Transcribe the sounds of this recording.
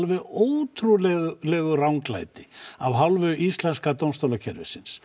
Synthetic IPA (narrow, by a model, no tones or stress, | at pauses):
lvɪoːwt̪ʰɾulɛɣʏlɛɣʏrawŋkla̰jt̪ɪavɦawlvʏʔist̪lɛnskat̪ownmst̪owlacʰɛɾvɪ̰sɪns